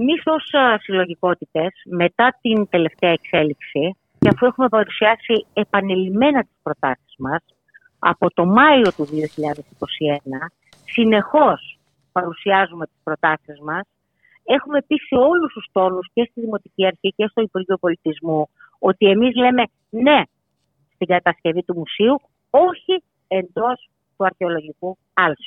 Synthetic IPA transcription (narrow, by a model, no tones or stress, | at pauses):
emiso̞ssilo̞ʝiko̞t̪it̪e̞sme̞t̪ɐt̪int̪e̞le̞ft̪eɐekse̞liksi | ceɐfue̞xume̞pɐɾusiɐsie̞pɐne̞lime̞nɐt̪i̥spɾo̞t̪ɐsizmɐs | ɐ̰po̞t̪o̞mɐio̞t̪uðio̞çiʎɐðe̞siko̞sie̞nɐ | sine̞xo̞s | pɐɾusiɐzume̞t̪i̥spɾo̞t̪ɐsizmɐs | e̞xume̞pise̞o̞lust̪ust̪o̞nusce̞st̪iðimo̞t̪iciɐɾçice̞st̪oipuɾʝio̞po̞lit̪izmu | o̞t̪ie̞mizle̞me̞ | ne̞ | st̪iŋɡɐt̪ɐsce̞vit̪umusiu | o̞çi | e̞nd̪o̞s | t̪uɐɾçeo̞lo̞ʝiku | ɐlsu̥